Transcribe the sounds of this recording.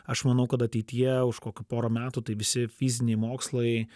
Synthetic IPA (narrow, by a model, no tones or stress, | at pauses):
ɐʃmɐnɐʊkɐt̪ɐt̪ʲɛɪt̪ʲɪjɛʊʃkoːkʲʊpoːɾoːmʲæːt̪ut̪ɐɪʋʲɪsʲɪfʲizʲɪnʲɛɪmoːkslˠɐɪ